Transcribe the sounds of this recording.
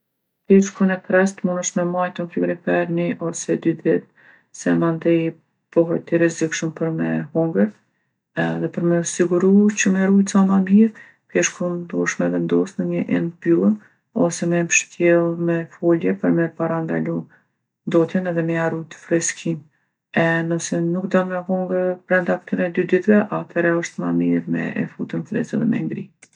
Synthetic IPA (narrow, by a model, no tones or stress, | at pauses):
pɛʃkunɛkɾɛst̪munəʃmɛmajt̪unfivɾifɛɾniʔɔsɛd̪yd̪ɛt̪̚ | sɛmand̪ɛ | pɔɦɛt̪iɾɛzikʃəmpəɾmɛhuŋɡəɾ | ɛðɛpəɾmɛsiɡuɾut͡ɕəmaɾujt̪sanamiɾ | pɛʃkund̪uəʃmɛvɛnd̪ɔsnəɲəʔɛnbylˠən | ɔ̰sɛmɛmʃt̪jɛlˠmɛfɔljɛpəɾmɛɾpaɾand̪a̰lu | nd̪ɔt̪jənɛðɛmɛaɾujt̪ə̥fɾɛskʰim | ɛnɔsɛnukd̪ɔnmɛɦɔŋɡəɾpɾɛnd̪akt̪ənɛd̪yd̪it̪vɛʔat̪ʰɛɾɛəʃt̪mamiɾmɛ̰ɛ̰fut̪ənfɾɛ̰sɛðɛmɛ̰ŋɡɾi